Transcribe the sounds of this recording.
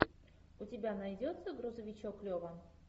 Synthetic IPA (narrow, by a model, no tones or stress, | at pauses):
ʊtʲɪbʲanɐjdʲot̪səɡɾʊzəvʲɪt͡ɕoklʲovə